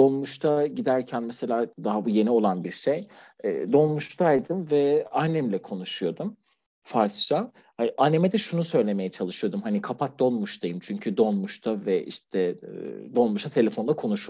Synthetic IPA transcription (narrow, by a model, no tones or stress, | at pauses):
d̪o̞nˠmuʃt̪ʰaɟid̪æɾcʰænmese̞lʲaːd̪aɦabuje̞nio̞lˠanbiɾʃejɛ̰ːd̪o̞nˠmuʃt̪ʰajd̪ɯmvɛanːɛmlʲɛkʰo̞nuʃujo̞d̪um | faɾst͡ʃa | haʔanːemed̪ɛʃunusø̞jlʲe̞me̞jɛt͡ʃʰalˠɯʃɯjo̞d̪umhanikʰapʰat̪̚d̪o̞lˠmuʃt̪ʰajɯmt͡ʃʰyɲcʰyd̪o̞nmuʃt̪ʰavɛḭʃt̪ʰɛd̪o̞lˠmuʃt̪ʰat̪ʰe̞lʲe̞fonlˠakʰo̞nuʃu